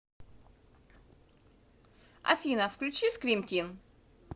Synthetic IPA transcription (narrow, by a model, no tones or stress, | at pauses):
ɐ̰fʲinəfklʲʉt͡ɕiskɾʲimt̪ʲin